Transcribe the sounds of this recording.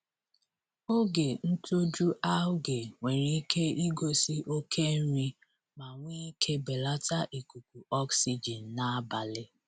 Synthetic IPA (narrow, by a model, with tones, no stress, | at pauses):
o˦ɡe˨n̩˦to˦d͡ʒu˦ʔa˦ʊ˦ɡe˨ŋʷe˨ɾi˦kʰe˦i˦ɡo˦si˦ʔo˦kʰe˦n̩˦ɾi˦ | ma˨ŋʷi˦kʰe˦be˨la˦ta˦ʔi˨ku˨ku˨ɔ˦ksi˦d͡ʒi˨n̩˨na˦a˦ba˨lɪ˦